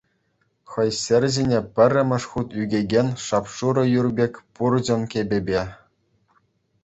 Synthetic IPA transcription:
xɤ̆jsʲĕrʲzenʲepʲɘ̆rʲːɘ̆mʲɘ̆ʂχut̪yɡʲeɡʲenʲʂɑpʂuɾɤ̆jurbʲekʲpurd͡ʑɤ̆nkʲebʲebʲe

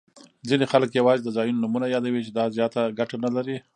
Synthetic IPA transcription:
zinexaləkjawɑzed̪əzɑjunonʊmunajɑd̪awit͡ʃed̪ɑzjɑt̪aɡaʈanalaɾi

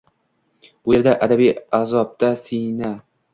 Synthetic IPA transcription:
ʊjeɾd̪aʔad̪abijazɒp̚d̪asina

